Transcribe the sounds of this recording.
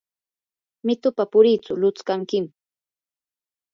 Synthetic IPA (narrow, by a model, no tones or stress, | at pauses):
mɪt̪ʊpapʊɾiːt͡sʊlʊt͡skaŋkɪm